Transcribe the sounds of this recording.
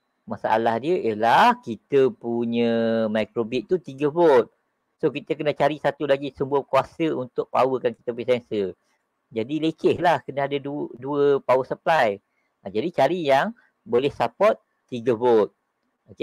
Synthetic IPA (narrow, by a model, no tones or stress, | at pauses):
masa̰ʔa̰lahdiəʔjəlahkit̪əpuɲə̃majkɾobit̪̚ːut̪iɡəbot̪̚ | sokit̪əkənãt͡ʃaɾisat̪ulaɡisəmbuəkuasəunt̪ʊʔ̚pa̰wəkanki̥t̪əpuisansə | d͡ʒadilekɪhlahkənaadəduduəpawəsəplaj | ad͡ʒadit͡ʃaɾijaŋ | bolɛhsapɔt̪̚ːiɡəbot̪̚ | oke